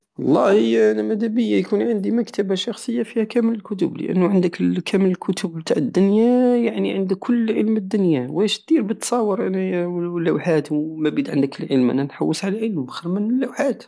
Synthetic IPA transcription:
wɑlˤːɑhəjʔænæmæd̪æbəjːajkunʕənd̪iməkt̪əbaʃɑxsˤəjːafihækæmələlkʊt̪ʊblə̰ʔə̰nːuʕənd̪əkkʰæmələlkʰʊt̪ʊbbt̪aʕəd̪ːʊnjajaʕniʕənd̪əkʰːʊlːʕə̰lməd̪ːʊnjawæʃt̪̚d̪iɾbət̪sˤɑwːəɾˤʔænælːæwħat̪wmæbid̪ʕənd̪əkəlʕə̰lmʔæ̰nænħawːəsʕalæʕəlmxəɾˤmənəlːuwħat̪

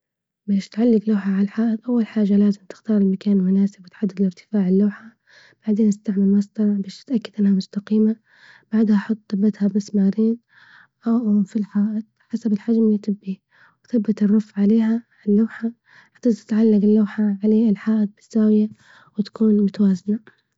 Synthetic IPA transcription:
beːʃt̪ʕalːɪɡlaːħaʕaħaːʔɪd̪ˤʔawːalħaːd͡ʒːalaːzɪmt̪ɪ̥xt̪ɑːɾˤɪlmakaːnlmʊnaːsɪbwɪt̪ʕad̪ːad̪ɪlɪɾt̪ɪ̥faːʕɪlːaːħa | b̥aʕd̪eːnast̪aʕmalmasd̪ɑɾˤɑʕbeːʃt̪ɪt̪ʔakːad̪ʔanːhamʊst̪aqiːma | b̥aʕd̪haʔħʊt̪ˤːabːɪt̪habasmaːɾiːn | ʔafilħaːʔɪd̪̥̚ħasabɪlħad͡ʒmjɪt̪ɪbːi | wθabːɪt̪ɨrˤːʊfʕaleːɦaʕɪlːaːħa | ʕt̪aːzt̪ɪ̥t̪ʕalːaɡɪlːaːħaʕaleːɪlħaːʔɪd̪̚bɪz̥ːaːwɪja | wɪt̪ḁkuːnmʊt̪awaːzɪna

